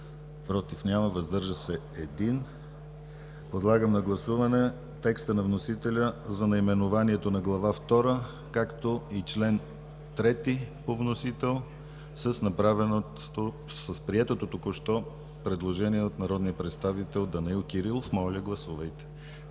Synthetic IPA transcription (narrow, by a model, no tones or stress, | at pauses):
pɾɔt̪ifnʲaməvɐzd̪ɤɾʒəsɛ | ɛd̪in | pod̪lˠaɡəmnɐɡlˠɐsuvɐnɛ | t̪ɛkst̪ənɐvnosit̪ɛlʲəzɐnɐimɛnovaniɛt̪onɐɡlˠɐvaft̪ɔɾə | kakt̪oit͡ʃlɛn | t̪ɾɛt̪ipovnosit̪ɛlˠ | sɐsnɐpɾavɛno | o | səspɾiɛt̪ot̪ot̪okoʃt̪ɔ | pɾɛd̪lˠoʒɛniɛot̪nɐɾɔd̪nijəpɾɛt̪st̪avit̪ɛlˠd̪ɐnɐilˠkʲiɾilˠofmɔlʲəɡlˠɐsuvəjt̪ɛ̥